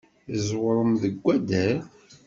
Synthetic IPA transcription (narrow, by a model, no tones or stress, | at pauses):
zwəɾˤəmðəɡʷːæd̪æɾ